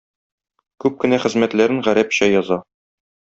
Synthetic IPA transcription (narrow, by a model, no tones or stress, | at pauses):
kʉp̚kɘ̆næχɘ̆zmæt̪læɾɘŋʁæɾæpɕæjɒzɑ